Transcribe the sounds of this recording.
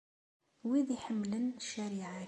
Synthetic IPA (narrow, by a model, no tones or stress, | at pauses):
wiðiħəmːlənʃːæɾiʕa